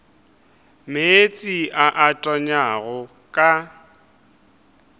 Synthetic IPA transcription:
meet͡sʼiʔaʔatʼɔɲaɣʊ | kʼa

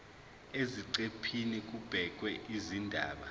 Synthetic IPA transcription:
eziǀepʰinik̬ub̥ʱɛk̬wɛʔizindʱaːɓa

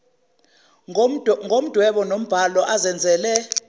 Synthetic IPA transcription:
ŋom̩d̥ʱwɛɓɔnom̩b̥ʱalɔʔazɛnd͡zʱɛːlɛ

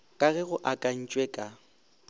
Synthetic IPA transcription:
kʼaɣɛɣʊʔakʼan̩t͡ʃʼwɛkʼa

